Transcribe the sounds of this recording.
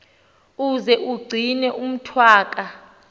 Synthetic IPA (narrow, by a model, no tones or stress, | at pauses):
uzɛʔuɡ͡ǀʱinɛʔum̩tʰwaːk̬ʼa